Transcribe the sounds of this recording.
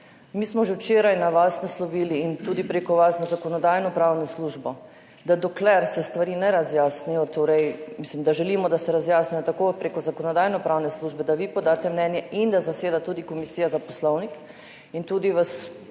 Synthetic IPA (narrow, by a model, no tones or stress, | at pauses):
miːsmɔʒewt͡ʃeːɾajnaʋasnɛslɔʋiːliːnt̪uːd̪ipɾeːkɔʋasnɔzakɔnɔd̪aːjnɔpɾaːwnɔsluʒbɔ | d̪ad̪ɔklɛɾsɛst̪ʋaɾiːnɛɾazjaːsnijɔt̪oːɾɛjmislimd̪aʒɛliːmɔd̪asɛɾazjaːsnijɔt̪akoːpɾekɔzakɔnɔd̪aːjnɔpɾaːwnɛsluʒbɛd̪aʋipɔd̪aːt̪ɛmnɛnjɛʔind̪azaseːd̪at̪uːd̪ikɔmisiːjazapɔslɔwnik | int̪uːd̪iʋas